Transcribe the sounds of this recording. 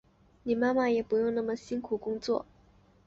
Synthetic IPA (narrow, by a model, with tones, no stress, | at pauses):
ni˨˩ma˥nma˥˩jɛ˨˩pu˧˥jʊ˥˧ŋna˥˩mə˨˩ɕi˥ŋkʰu˨˩kʊ˥ŋt͡swɔ̰˥˩